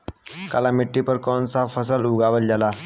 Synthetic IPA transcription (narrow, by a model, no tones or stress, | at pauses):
kalamiʈːipəɾkɔnt͡safəsəluɡaʋəld͡ʑala